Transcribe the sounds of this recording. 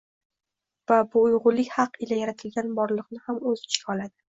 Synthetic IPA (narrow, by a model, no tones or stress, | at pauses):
vabʊːjʁʊlːɪkʲhɑqɪlajaɾat̪ʰɪlɡʲanbɒɾlˠɨqnɪhamɵzt͡ʃʰɪ̥kʰʲɒlˠad̪ɪ